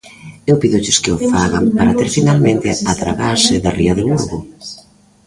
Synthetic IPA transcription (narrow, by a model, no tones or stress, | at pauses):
ewpiðʊt͡ʃɪskeʊfaɣampaɾat̪eɾfinalmẽnt̪ɪat̪ɾaɣaɾsɪðariaðeβuɾɣʊ